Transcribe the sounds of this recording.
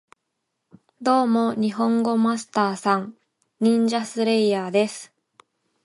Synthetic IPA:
d̪o̞ːmo̞ɲ̟iɦõ̞ŋɡo̞masɨ̥t̪aːsãŋ | ɲʲĩɲd͡ʑasɨɾe̞ijaːd̪e̞sɨ̥

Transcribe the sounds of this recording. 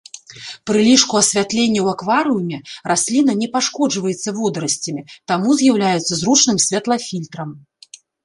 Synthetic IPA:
pɾɨlʲiʂkuɐsʲvʲat̪lʲenʲːɐwakvaɾɨumʲɛrasʲlʲin̪ɐnʲɛpaʂkɔd͡ʐvɐjɛt̪sːɐvɔd̪ɾɐsʲt͡sʲɐmʲit̪amuzʲjawlʲajɛt̪sːɐzɾut͡ʂnɨmsʲvʲat̪lˠɐfʲilʲt̪ɾɐm

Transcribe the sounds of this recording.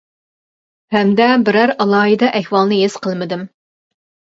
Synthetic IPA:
hɛmd̪ɛbɪɾæɾɑlˠɑːɦid̪ɑʔɛhwɑlˠnɨjez̥qʰəlˠmɨd̪ɪm

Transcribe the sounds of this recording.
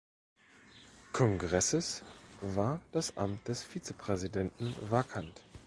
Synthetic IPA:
kʰɔŋɡʁɛsəsvaːɐd̥asʔa̰mt̚d̥ɛsfiːt͡səpʁ̥ɛzidɛntn̩vaɐkʰant

